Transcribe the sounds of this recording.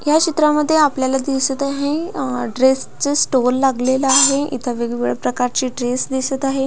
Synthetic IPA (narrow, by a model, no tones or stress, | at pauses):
jat͡ɕit̪ɾaməd̪ʱːjeapljalad̪iʋsət̪aɦeɖɾest͡səsʈolːaɡleləaɦeḭt̪ʰəʋeɡʋɭəpɾəkaɾt͡ɕiːɖɾesd̪isət̪aɦe